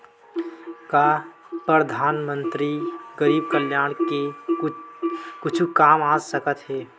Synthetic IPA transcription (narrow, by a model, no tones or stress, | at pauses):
ka | pɾəd̪ʱaːnmə̃nt̪ɾiɡəɾiːb̚kəljaːɽ̃ke | kʊt͡ʃʰukaːmaːsəkət̪ɦɛː